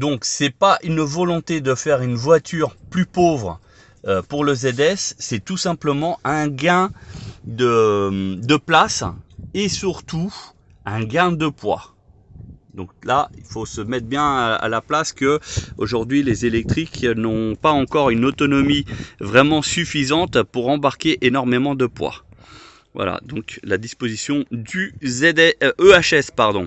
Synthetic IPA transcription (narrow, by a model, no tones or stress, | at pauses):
d̪ɔ̃ksɛpaʔynvɔlɔ̃t̪ed̪əfɛʁynvwat̪ʰyʁplypovʁ | øpuʁləzɛd̪ɛsːɛt̪usɛ̃pləmɑ̃ʔɛ̃ɡɛ̃d̪ə | d̪əplasesyʁt̪u | ɛ̃ɡɛ̃d̪əpwa̰ | d̪ɔ̃klailfosəmɛt̪̚bjɛ̃a̰laplaskəoʒuʁd̪ɥilezelɛk̚t̪χiknɔ̃paɑ̃kɔʁynot̪ɔnɔmivʁɛmɑ̃syfizɑ̃t̪puʁɑ̃baʁkʲeʔenɔʁmemɑ̃d̪əpwa̰ | vwa̰la̰d̪ɔ̃klad̪ispozisjɔ̃d̪yɛd̪ɛøaʃɛspaʁd̪ɔ̃